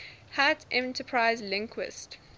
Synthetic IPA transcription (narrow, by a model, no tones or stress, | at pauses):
hatʔɛ̃ntəpʰɹaɪzlɪ̃ŋkʰwɪ̰st